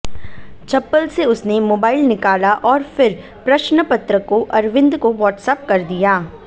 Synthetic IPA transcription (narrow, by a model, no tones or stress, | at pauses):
t͡ʃɐpːəlseʊsnemoːbaːɪlnɪkaːlaʔɔːɾfɪɾ | pɾɐʃnəpɐt̪ɾəkoʔɐɾʋɪ̃nd̪koʋɔːʈsɛːp̚kɐɾd̪ijaː